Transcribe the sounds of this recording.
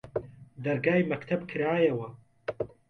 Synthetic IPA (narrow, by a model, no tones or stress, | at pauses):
d̪ɐɾɡaːjmɐkt̪ʰɐbkʰɨɾaːjɐwɐ